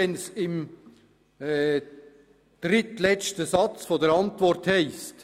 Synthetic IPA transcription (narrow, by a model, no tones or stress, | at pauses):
ɛnsɪm | ɛ | d̥ɾɪtlɛt͡ʃtəsɑt͡sfodəɾɑntvɔrthɛɪst